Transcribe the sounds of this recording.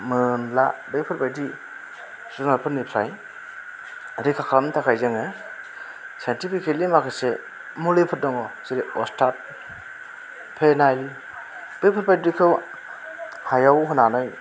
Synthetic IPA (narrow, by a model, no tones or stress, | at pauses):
mɯnlabɯjpʰɯɾpajdi | zunalpʰɯɾnipʰɾa̰j | ɾikʰakʰamtʰakʰajzɯŋɯ | santipʰikʰetlimakʰɯse | mulepʰɯt̚dɔŋɔsiɾeɔstʰat̚ | pʰenajl | b̥ejpʰɯɾbajɾikʰɯw | hajawɦɯnanɔj